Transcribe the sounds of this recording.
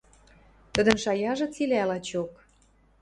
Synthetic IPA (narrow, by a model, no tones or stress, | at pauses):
t̪ə̆d̪ə̆nʃɑjɑʒɤ̆t͡silælɑt͡ɕok